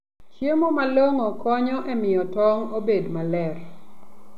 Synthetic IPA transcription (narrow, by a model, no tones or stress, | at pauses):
t͡ʃemomaloŋokɔɲɔʔɛmɪjɔtɔŋobedmalɛr